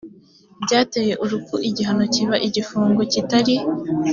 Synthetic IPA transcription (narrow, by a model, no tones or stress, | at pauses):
bɟaːteːje̞ʔuɾukuʔiɟiɦano̞ciβaʔiɟifuːŋɡocitaɾi